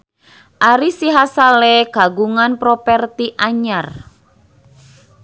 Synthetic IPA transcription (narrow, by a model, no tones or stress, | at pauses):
ʔaɾisiɦasaleɡ̥a̤ɡuŋanpɾɔpɛrt̪iʔaɲar